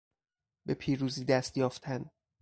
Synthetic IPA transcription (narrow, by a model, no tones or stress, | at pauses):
be̞pʰiːɾuːziːd̪æst̪jɒːft̪ʰæn